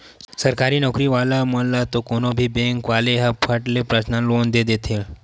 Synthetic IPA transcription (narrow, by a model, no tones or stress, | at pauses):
səɾkaɾiːnɔkɾiːʋalaməɽlat̪okonobʱiːbeŋkʋaleɦapʰəʈlepɾəsnalond̪ed̪et̪ʰe